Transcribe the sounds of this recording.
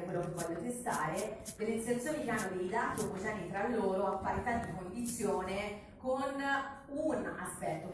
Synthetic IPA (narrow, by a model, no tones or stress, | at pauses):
kwelːokevːɔʎːot̪est̪aːɾed̪elːenset̪sjoːnikeanːod̪ejd̪aːt̪iopːozanːit̪ɾalːlːoːɾoapːaɾit̪ad̪ikond̪it̪sːjoːne | kon | una̰spɛt̪ːo